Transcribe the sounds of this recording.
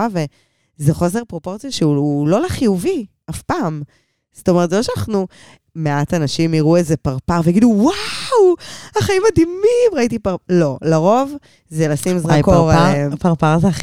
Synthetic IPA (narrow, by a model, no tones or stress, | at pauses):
ave | zeχo̞se̞ʁpʁo̞po̞ʁt͡sjoʃeuulo̞leχijuvi | afpaːm | sto̞met̪zeloʃanaχnu | meatanaʃimiʁuezepaʁpaʁveaɡiduwawaχaimadimimʁaitipalo̞laʁo̞v | zelasimzʁakoʁpaʁpaʁzea